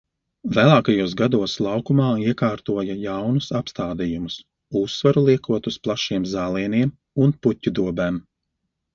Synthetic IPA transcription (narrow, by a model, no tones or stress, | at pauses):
væːlˠaːkajuɔsɡad̪uɔslˠawkumaːiɛkaːɾt̪uɔjajawnusapst̪aːd̪ijumus | usːvaɾulˠiɛkuɔt̪usplˠaʃiɛmzaːlˠiɛniɛm | unpucʲːud̪uɔbæːm